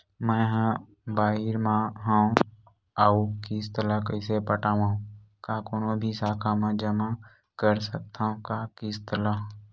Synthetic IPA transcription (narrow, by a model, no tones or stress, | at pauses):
mɛ̃ːɦã | baːɦɪɾmãɦã | aukist̪əlakəɪsepəʈaːʋãːɦũ | kakonõbʱisaːkʰamãd͡ʒəma | kəɾsək̚t̪aɦũkakɪst̪əlaɦ